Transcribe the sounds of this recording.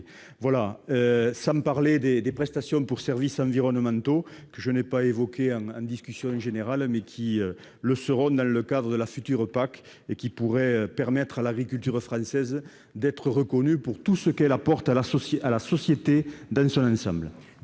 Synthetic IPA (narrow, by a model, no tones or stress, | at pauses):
vwalaøsɑ̃paʁled̪ed̪epχɛst̪asjɔ̃puʁsɛʁvisɑ̃viʁɔnəmɑ̃nt̪okəʒənepaevɔkeɑ̃ŋɑ̰̃nd̪iskysjɔ̃ʒeneʁalmɛkʲʰiø | ləsəʁɔ̃d̪ɑ̃ləkad̪ʁəd̪əlafyt̪yʁəpak | ekʲipuʁɛøpɛʁmɛt̪χalaɡʁikylt̪yʁəfχɑ̃sɛzə | d̪ɛt̪χəʁəkɔnypuʁt̪usəkɛlapɔʁt̪alasɔsalasɔsjet̪ed̪ɑ̃sɔ̃nɑ̃sɑ̃mblə